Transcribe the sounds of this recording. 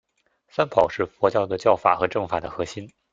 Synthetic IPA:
sa˥npʰɑ˨˩ʊʂɻ̩˥˩fwɔ˧˥t͡ɕjɑ˥˧ʊd̪ə˩t͡ɕjɑ˥˩ʊfa̰˨˩xɤ˧˥ʈ͡ʂɤ˥˩ŋfa̰˨˩d̪ə̰˩xɤ˧˥ɕi˥n

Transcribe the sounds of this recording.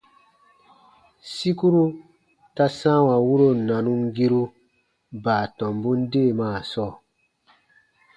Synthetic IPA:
si˦ku˦ɾu˦ | ta˦sã˦wa˨wu˦ɾo˦˨nã˨nũ˦ŋɡi˦ɾu˦ | baː˨tɔ̃˨mbũ˦n˦deː˦˨maː˦˨sɔː˦˨

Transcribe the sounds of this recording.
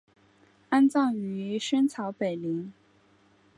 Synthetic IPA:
a˥nt͡sɑ˥˩ŋy˧˥ɕɥɛ˥nt͡sʰɑ˧˥ʊpe˨˩ɪli˧˥ŋ

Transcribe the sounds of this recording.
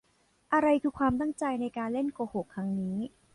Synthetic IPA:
ʔa˧ɾa˧jkʰɯː˧˩kʰwaː˧mt̪a˥˩ŋt͡ɕa˧jna˧jkaː˧nle˥˩nkoː˧ho˨˩kʰːɾa˦˥ŋniː˦˥

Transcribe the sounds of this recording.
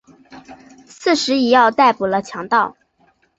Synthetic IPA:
sɹ̩˥˩ʂɻ̩˧˥i˨˩jɑ˥˧ʊt̪a˥˩ɪpu˨˩lə˦t͡ɕʰjɑ˧˥ŋt̪ɑ˥˩ʊ

